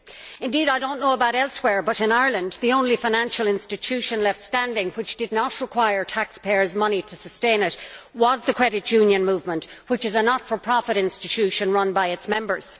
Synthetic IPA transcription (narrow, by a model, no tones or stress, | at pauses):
ɨ̃ndiɾaɪdõʊ̃nːoʊəbaʊɾɛlˠswɛɹbʌɾɨ̃naɪə˞lə̃nðiõʊ̃nlifaɪñæ̃nʃəl̩ˠɪ̃nstɨtʰʉʃə̃nlɛftstæ̃ndɪ̃ŋwɨt͡ʃd̥ɨdⁿnət̚ɹɨkʰw̥aɪə˞tʰækspʰeɪə˞zmʌniɾʰəsəstẽɪ̃nɪt̚wʌzðəkʰɹ̥ɛɾɨt͡ʃjʉ̃njɨ̃nmuvmə̃nʔ | wɨt͡ʃɨzənətfə˞pʰɹ̥ɑfɨɾɪ̃nstɨtʰʉʃə̃nɹʌ̃nbaɪɨtsmɛ̃mbə˞z̥